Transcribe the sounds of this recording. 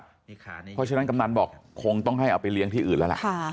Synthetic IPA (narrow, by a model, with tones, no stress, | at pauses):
pʰɔ˦˥t͡ɕʰa˧˥na˦˥˩ka˧mnaː˧nbɔː˨˩kʰːo˧ŋt̪ɔ˥˩ŋɦa˥˩jʔa˧wpa˧jli˦˥əŋt̪iː˥˩ʔɯː˨˩nlːlɛ̰˨ʔʰ